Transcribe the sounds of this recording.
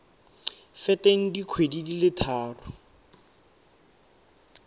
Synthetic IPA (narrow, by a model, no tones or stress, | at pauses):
fɛteŋ̩dikʰwedidilɪtʰaːrʊ